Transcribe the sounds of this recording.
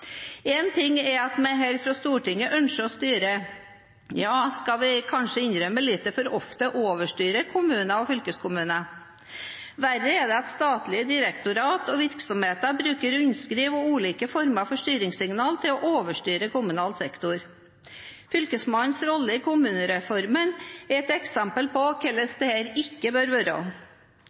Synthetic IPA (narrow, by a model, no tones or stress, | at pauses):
ɛnt̪ʰɪŋːɛɾɑt̪mɛɪɦɛːɾfɾɑst̪uːʈɪŋːəʔœnʂəɔst̪yːɾə | jɑːskɑʋɪkʰɑnʂəɪnɾœmːəlit̪ːəfɔɾɔft̪əʔoːʋəʂʈyːɾəkʰʊmʉːnɑɔfʏlkəskʰʊmʉːnə | ʋæɾəɛd̪ɛɑt̪st̪ɑːt̪lɪəd̪ɪɾəkt̪ʊɾɑːt̪ɔʋɪɾksɔmheːt̪əbɾʉːkəɾʉɲskɾiːʋɔʉːliːkəfɔɾməɾɑfɔʂʈyːɾɪŋsɪŋnɑːlt̪ʰɪlɔʔoːʋəʂʈyːɾəkʊmʉnɑːlsɛkt̪ʊɾ | fʏlkəsmɑnsɾɔlːəɪkʰʊmʉːnəɾɛfɔɾmənɛɾɛt̪ɛksɛmpəlpɔkʰɛlːəsd̪ɛhæːɾɪkːəbøːɾʋøɾo̰ː